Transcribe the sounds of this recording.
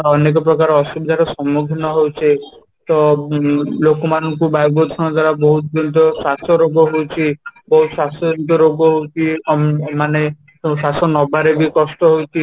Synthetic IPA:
ɔnek̬ɔpɾɔkaɾɔɔsubʱid̪ʱaɾɔsɔmuɡʱinɔɦowt͡ʃʰe | t̪ɔ | lokɔmanɔŋkubajbɔt̪ʰɔñɔd̪waɾabɔɦut̪̚d̪ɔnt̪̬ɔsasɔɾoɡɔɦowt͡ʃʰibɔɦut̪ɔsasɔdɔnt̪ɔɾoɡɔɦowt͡ʃʰimane | sasɔnɔbaɾebikɔsʈɔɦowt͡ʃʰi

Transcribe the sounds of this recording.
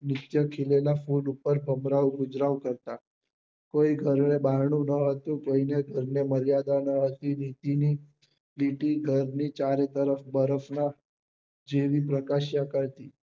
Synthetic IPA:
nɪt̪jəkʰilelafuɖupəɾbʱəmɾaʋɡʊd͡ʒɾaʋkəɾt̪a | koiɡʱəɾɳebaɾɳ̃ũnəɦət̪ũkəineɡʱəɾneməɾjad̪anəɦət̪init̪ini | liʈiɡʱəɾnit͡ʃaɾet̪əɾəfbəɾəfna | d͡ʒeʋipɾəkaʃjakəɾt̪i

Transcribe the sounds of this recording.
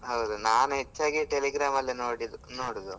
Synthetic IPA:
ɦɐwd̪unaːnuɦet͡ʃːaːɡiʈeliɡɾaːmɐlːinoːɽid̪unoːɽid̪u

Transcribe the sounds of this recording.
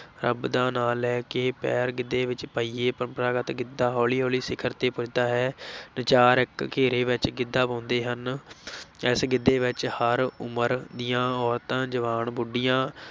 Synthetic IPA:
ɾə̰bd̪ãːnaːlɛːkeːpɛːɾɡɪd̪ːeːʋɪt͡ʃpəiːeːpɾəmpəɾaːɡət̪ɡɪd̪aːɦɔːliːɦɔːliːsɪkʰəɾt̪eːpʊt͡ʃd̪aːɦɛːnət͡ʃaːɾɪkːeːɾeːʋɪt͡ʃɡɪd̪ːaːpɔ̃ːnd̪eːɦən | ɪsɡɪd̪ːeːʋɪt͡ʃhəɾʊməɾd̪ɪjãːɔːɾt̪ãːd͡ʒəʋaːnbʊɖijãː

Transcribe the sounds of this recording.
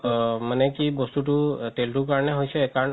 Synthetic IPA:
mənekibɔst̪uʈuʈelʈuk̬aɹneɦojsɛːkan

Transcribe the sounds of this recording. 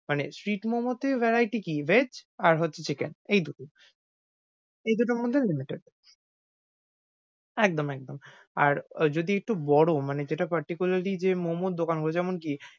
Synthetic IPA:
manḛsʈɾiʈmomot̪evɛɾajʈikived͡ʑaɾɦotːɕʰet͡ɕʰekḛnejd̪uʈo | ejd̪uʈ̬oɾmod̪ʱːelimiʈeɖ | ɛkd̪omɛk̚d̪om | a̰ɾd͡ʑod̪iek̚ʈubɔɽomaned͡ʑeʈapaɾʈikulaɾlid͡ʑemomod̪̚d̪okanɦoet͡ɕʰɛmonki

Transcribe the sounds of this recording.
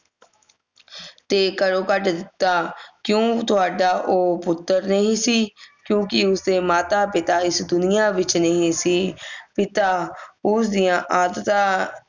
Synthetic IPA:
t̪eːkəɾoːkəʈd̪ɪt̪ːaːkjõːt̪ʊaːɖaːʔoːpʊt̪ːəɾnəɦĩːsiːkjõːkɪʊseːmaːt̪aːpɪt̪aːɪsd̪ʊnɪjaːʋɪt͡ʃnəɦĩːsiːpɪt̪aːʊsd̪ɪjãːʔaːd̪t̪ãː

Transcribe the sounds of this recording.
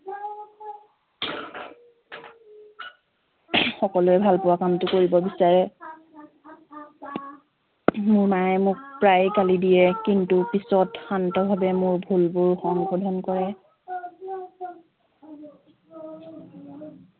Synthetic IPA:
xɔkɔlʊɛbʱalpɔwakamtʊkoɹibɔbisaɹɛ | mʊɹmaɛmʊk̚pɹajkalidijɛkintupisɔtxantɔbʱabɛmʊɹbʱulbʊɹxɔŋɡʰɔdʱɔnkɔɹɛ

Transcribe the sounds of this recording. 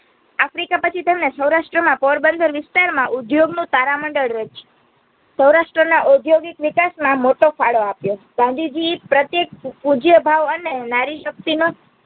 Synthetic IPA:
afɾikapət͡ʃʰit̪emnesəwɾaʃʈɾəmãpɔɾbənd̪ʱəɾʋɪst̪aɾmãʔud̪joɡnũt̪aɾaməɳɖəɭɾət͡ʃt͡ʃ | səwɾaʃʈɾənaʔod̪joɡikʋɪkasmãmoʈofaɭoapjoɡ̥ãnd̪ʱid͡ʒipɾət̪jek̚pud͡ʒjəbʱaʋənenaɾiʃək̚t̪ino

